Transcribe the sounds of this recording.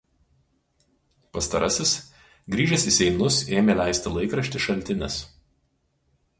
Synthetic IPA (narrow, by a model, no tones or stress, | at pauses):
pɐst̪ɐɾɐsʲɪs | ɡɾʲiːʒʲɛsisʲɛɪnʊseːmʲelʲæˑɪsʲt̪ʲɪlˠɐɪkɾɐʃʲt̪ʲɪʃɐlʲt̪ʲɪnʲɛs